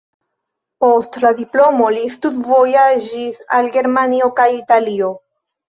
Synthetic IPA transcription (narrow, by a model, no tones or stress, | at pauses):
po̞stladiplo̞mo̞listutvojaʒisalɡe̞ɾmanio̞kajitalio̞